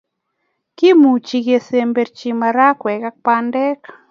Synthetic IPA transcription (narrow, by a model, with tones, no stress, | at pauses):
ki˦mu˨t͡ʃi˧ɡe˧se˦˧mbe˨ɾt͡ʃi˧ma˨ɾa˦kwɛ˨ka˦k̚pa˦ndɛ˦k